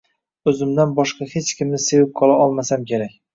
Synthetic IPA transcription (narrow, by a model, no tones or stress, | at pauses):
ɵzɪmd̪anbɒʃqɑhe̞t͡ʃkʲɪmnɪsewɪp̚qʰɒlˠaʔɒlˠmasamkʲe̞ɾak̚ʲ